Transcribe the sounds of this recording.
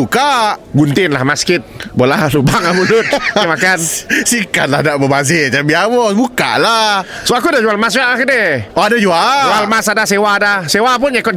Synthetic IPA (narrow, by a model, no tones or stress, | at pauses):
ukaʔɡunt̪ɪnlahmaskɪt̪̚bolahlubaŋamulʊt̪̚makansikat̪̚lahnaʔbəmaz̬ɪd͡ʒambiawɔbuka̰ʔlasoakudad͡ʒualmas̬d͡ʒuaʔlakədɛɔadad͡ʒuad͡ʒualmasadasewaːdasewap̬ʊnɲakɔt̚